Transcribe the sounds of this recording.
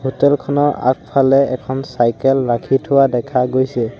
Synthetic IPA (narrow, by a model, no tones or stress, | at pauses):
hotɛlkʰɔnɔʔa̰k̚pʰalɛɛ̰kʰɔnsajkɛlɹakʰitʰʊwadɛkʰaɡojsɛ